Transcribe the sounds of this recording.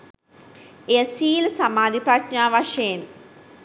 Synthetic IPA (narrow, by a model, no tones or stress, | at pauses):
ejəsiːlsamaːd̪ipɾaʈɲaːʋaʂejen